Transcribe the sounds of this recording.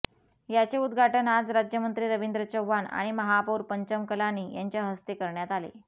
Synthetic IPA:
jat͡seud̪ɡʱaʈənad͡zɾad͡ʑjəmənt̪ɾiːɾəʋind̪ɾət͡ɕəwʋːana̰ɽ̃iməɦapuːɾpəɲt͡ɕəmkəlaniːjaɲt͡ɕjaɦəst̪ekəɾɳjat̪alḛ

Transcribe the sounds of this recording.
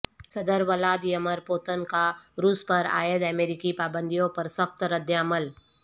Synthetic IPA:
sɐd̪əɾʋɐlaːd̪ijɐməɾpoːt̪ənkaɾuːspɐɾa̰ːjəd̪ɛmeːɾɪkipaːbə̃nd̪ʱijõpɐɾsɐxt̪ɾəd̪jaːməl

